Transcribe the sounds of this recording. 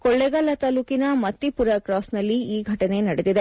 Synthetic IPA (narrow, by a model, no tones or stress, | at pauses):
kɔɭːɛɡɐlɐt̪ɐːluːkinɐmɐt̪ːipuɾɐkɾaːsnɐlːiiːɡʱɐʈɐne̞nɐɽed̪id̪e